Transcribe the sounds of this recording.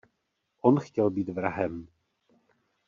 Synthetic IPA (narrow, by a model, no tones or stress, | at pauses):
ʔonxcɛlbiːt̪vɾaɦɛm